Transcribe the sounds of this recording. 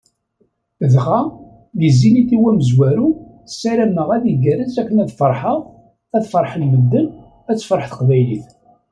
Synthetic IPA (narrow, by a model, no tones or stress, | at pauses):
ðχæ | jəzːiniθiwæməzwæɾu | sːæɾæmːəʁæðiɡæɾəzækːənæðfəɾˤħəʁ | æðfəɾˤħəlməd̪ːən | æt͡sːəfɾˤəħθə̥qvæjliθ